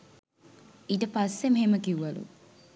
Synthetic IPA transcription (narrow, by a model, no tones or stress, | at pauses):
iʈəpɐsːemɦeməkiuʋɐlṵ